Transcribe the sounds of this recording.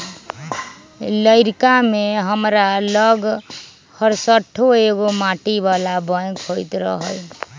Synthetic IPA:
ləjɾkameɦəmɾalʌɡ | hʌɾsəʈʰːoeɡomaʈibalabəj̃kʰojt̪ɾʌ̰ɦəj

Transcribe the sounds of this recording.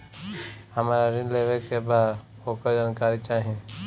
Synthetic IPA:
həmaːɾaɾɪ̃nleʋekebaːd̪ | okəd͡ʒaːnkaːɾit͡ʃaːɦiẽ

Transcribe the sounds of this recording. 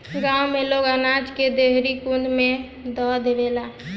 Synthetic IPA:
ɡawmeloɡənad͡ʒked̪eɦɾikund̪me | d̪ɔd̪bela

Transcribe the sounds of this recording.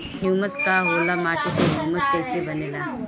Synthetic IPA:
ɦjuːməskaɦoːlamaːʈeseɦjuːmɐskɐjsebɐneːla

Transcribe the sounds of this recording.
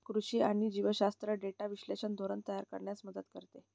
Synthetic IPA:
kɾuɕiːaɽ̃id͡ʑiʋəɕast̪ɾəɖeʈaʋiɕleɕənd̪ʱoɾənt̪əjaɾkə̰ɾɳjasməd̪ət̪kəɾt̪e

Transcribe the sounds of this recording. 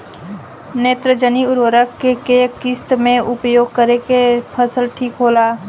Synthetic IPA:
neːt̪ɾəd͡ʒəniʊɾoːɾəkːekekɪst̪mẽʊpjoːɡ̚kəɾekepʰəsəlʈʰiːkɦoːlaː

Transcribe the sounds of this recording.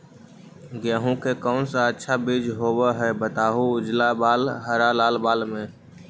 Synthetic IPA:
ɡjaːɦũkekɔːnsaətːʃʰabid͡ʒɦoːweɦɛbət̪aːɦuʊd͡ʒlabaːlɦəɾalaːlbaːlmẽ

